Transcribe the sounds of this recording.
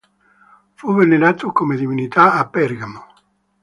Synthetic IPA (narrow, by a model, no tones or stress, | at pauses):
fuvenelat̪ːʊkomed̪ivinit̪aːpːɛɾɡamo